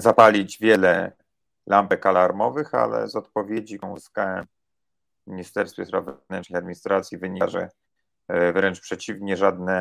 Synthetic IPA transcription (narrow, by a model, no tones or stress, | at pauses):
zapalʲid͡ʑvʲjɛlɛ | lampɛkalaɾmɔvɘxa̰lɛ̰zɔt̪̚pɔvʲjed͡ʑiɔ̃zɨskawɛm | mʲiɲist̪ɛɾst̪fʲjɛspɾavvɛvnɛnt͡ʂnɘjad̪mʲiɲist̪ɾat̪sʲjivɘɲiʐɛ̰ | vɾɛnt͡ʂpʂɛt͡ɕivɲɛʐad̪nɛ